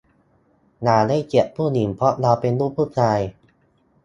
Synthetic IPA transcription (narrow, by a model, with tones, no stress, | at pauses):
naː˩˦la˦˥˩jt͡ɕi˨˩˦ʔ̚pʰuː˥˩ni˩˦mpʰɾɔ˦˥ʔla˧pe˧nluː˥˩p̚ʰːuː˥˩p̚ʰaː˧j